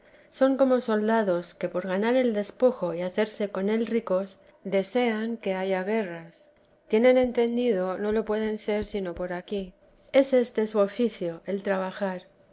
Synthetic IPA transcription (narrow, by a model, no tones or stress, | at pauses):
so̞ŋko̞mo̞so̞ld̪aðo̞ske̞po̞ɾɣanaɾe̞ld̪e̞spo̞xo̞iaθe̞ɾse̞ko̞ne̞lriko̞s | d̪e̞se̞aŋke̞aʝaɣ̞e̞ras | t̪je̞ne̞nẽ̞nt̪e̞nd̪iðo̞no̞lo̞pwe̞ð̞e̞nse̞ɾsino̞po̞ɾaki | e̞sest̪e̞suofiθjo̞e̞lt̪ɾaβ̞axaɾ